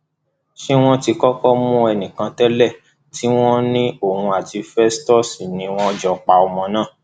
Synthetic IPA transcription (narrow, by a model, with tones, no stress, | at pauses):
ʃe˦w̃ɔ̃˦ti˧kɔ˦kɔ˦mũ˦ɛ˧nĩ˨kã˧tɛ˦lɛ˦˨ | ti˨˦w̃ɔ̃˦nĩ˦o˦˨hũ˧a˨ti˧fɛ˦stɔ˦˨si˨nĩ˧˦w̃ɔ̃˦ɔ˦d͡ʒɔ˧k͡pa˧ɔ˧mɔ̃˧nãː˦˨